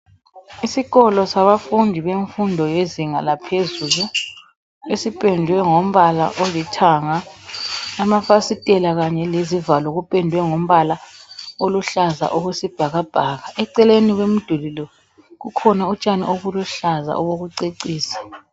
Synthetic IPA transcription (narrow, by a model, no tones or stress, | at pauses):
isiɣɔlɔsaβafundʱiβeɱfundʱɔjeziŋalapʰezulu | esipʼɛndʱwɛŋom̩βala̰ʔolitʰaŋaː | mafasitʼɛlaɣaɲɛlezivalɔɣupʼɛndʱwɛŋom̩βalaoluɬaza̰ʔoɣusib̥ʱaɣab̥ʱaɣaʔɛǀɛleniɣwem̩d̥ʱulilɔ | ɣukʰɔnaut͡ʃʼanḭʔoɣuluɬaza̰ʔɔɣoɣuǀeǀiːsḁ